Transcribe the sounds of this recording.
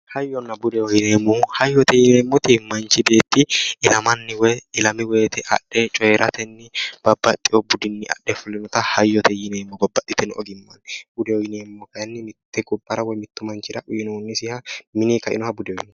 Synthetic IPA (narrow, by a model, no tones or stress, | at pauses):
hɐjːɔnːɐbʊd̪ɛwɔjɪneːmːʊhɐjːɔt̪ɛjɪneːmːɔt̪ɪmɐnt͡ʃːɪbe̞ːt̪ːɪɪlɐmɐnːɪwɔjɪlɐmɪweːt̪ɛʔɐ̰ɗːɛt͡ʃʼɔjɛɾʔɐt̪ɛnːɪb̥ɐbːɐt̪ʼːɪjɔbʊd̪ɪnːɪɐ̰ɗːɛfʊlːɪnɔt̪ɐhɐjːɔt̪ʰɛjɪneːmːɔbɐbːɐt̪ʼːɪt̪ɛnɔ̰ɡɪmːɐnb̥ʊd̪ɛwɔjɪneːmːɔkɐjɐnːɪmɪt̪ːɛɡʊbːɐɾɐwɔjmɪt̪ːʊmɐnt͡ʃɪɾɐʔʊjɪnoːnːɪsɪhɐmɪnikɐʔɪ̰nɔhɐbʊd̪ɛɔjɪn